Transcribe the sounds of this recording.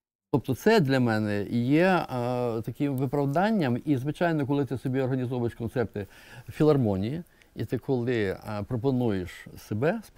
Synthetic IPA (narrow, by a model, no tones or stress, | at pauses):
t̪ɔp̚t̪ɔt̪sɛd̪lʲɐmɛnɛjɛ | t̪ɐkɪmʋɪpɾɐwd̪ɑnʲːɐmizʋɪt͡ʃɑjnɔkɔlˠɪt̪ɪsɔbʲiɔrɦɐnʲizɔʋɐjeʃkɔnt̪sɛrt̪ɪ | fʲilˠɐrmɔnʲiji | it̪ɪkʰɔlˠɪpɾɔpɔnujeʃsebɛsp